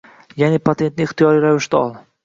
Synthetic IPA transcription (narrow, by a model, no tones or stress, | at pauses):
janipʰat̪ʰe̞nt̪̚nɪɪχt̪ijɒɾijɾavɪʃt̪aɒlˠ